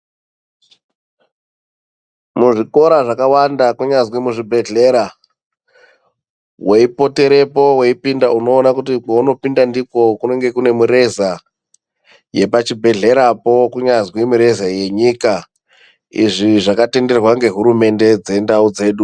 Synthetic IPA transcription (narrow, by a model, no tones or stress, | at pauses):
muʐiko̞ɾaʐakawandakuɲazwemuʐibʱe̞ɮe̞ɾa | we̞ipo̞te̞ɾe̞po̞we̞ipindauno̞ːnakutik͡pauno̞pindandiko̞kune̞ŋɡe̞kune̞muɾe̞za | je̞pat͡ʃibʱe̞ɮe̞ɾapo̞kuɲazwemuɾe̞zaje̞ɲika | ḭʐiʐakate̞nde̞rwaŋɡe̞ɦuɾume̞nde̞d͡ze̞ndaud͡ze̞ːɗu